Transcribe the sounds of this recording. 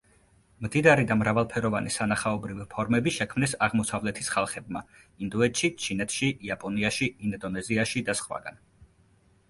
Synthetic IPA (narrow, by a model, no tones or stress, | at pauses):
md̪id̪aɾid̪amɾavalˠpʰɛɾɔvanisanaχaɔbɾivipʰɔɾmɛbiʃɛkʰmnɛsaʁmɔsavlɛt̪ʰisχalˠχɛbma | ind̪uɛt̪ʃit͡ʃʰinɛt̪ʰʃiʔːapʼɔniaʃiind̪ɔnɛziaʃid̪asχwa̰ɡa̰n